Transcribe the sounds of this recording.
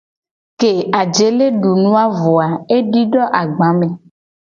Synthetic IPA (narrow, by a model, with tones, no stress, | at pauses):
ke˨a˨d͡ʒe˨le˦ɖu˨nũ˦a˦vɔ˨a˨e˦ɖi˦ɖɔ˦ʔa˨ɡ͡bã˨˦mẽ˨